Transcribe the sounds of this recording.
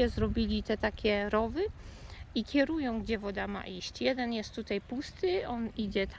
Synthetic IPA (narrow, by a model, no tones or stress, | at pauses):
ɛzɾɔbʲilʲit̪ɛt̪akʲɛɾɔvɘ | ikʲɛɾujɔ̃w̃ɡd͡ʑɛvɔd̪ama̰ʔiɕt͡ɕjɛd̪ɛnjɛst̪ːut̪ajpust̪ɘɔnid͡ʑɛt̪